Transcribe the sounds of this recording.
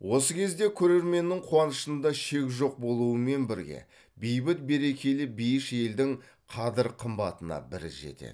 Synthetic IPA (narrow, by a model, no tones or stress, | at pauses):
wo̞səkʲʰe̞zd̪e̞kʲʰɵɾe̞ɾme̞nːɪŋqʰuwɑnəʃənd̪ɑʃe̞kʲʒo̞q̚bo̞lˠuəme̞nbɪɾɡʲe̞̰ | bijbɪt̪̚be̞ɾe̞kʲe̞lɪbijɪʃe̞ld̪ɪŋ | qʰɑd̪əɾqʰəmbɑt̪ənɑ̰bɪɾɪʒe̞̰t̪ḛd̪